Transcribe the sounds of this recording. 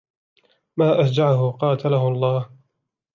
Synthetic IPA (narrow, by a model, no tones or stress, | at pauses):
maːʔasd͡ʒaʕaɦʊqɑːt̪ʰalahʊɑlˤːɑːh